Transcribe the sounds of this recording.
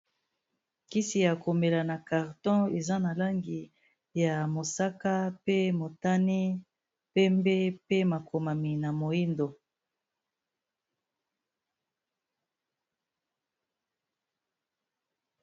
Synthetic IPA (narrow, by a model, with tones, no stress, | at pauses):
ki˦si˨ja˨ko˨me˨la˨na˨ka˨ʁtɔ̃˦e˨za˦na˨la˦ŋɡi˨ | ja˨mo˨sa˦ka˦pe˦mo˨ta˦ni˦ | pɛ˦mbe˦pe˦ma˨kʰo˨ma˨mi˨na˨mo˨i˦ndo˨